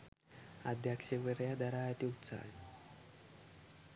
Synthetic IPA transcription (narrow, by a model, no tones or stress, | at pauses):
ad̪ʱjakʂeʋəɾjad̪aɾaat̪iut̪sa̰ni